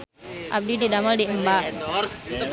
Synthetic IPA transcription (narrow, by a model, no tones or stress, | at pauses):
ʔa̰b̚dididamaldiəmbaʔ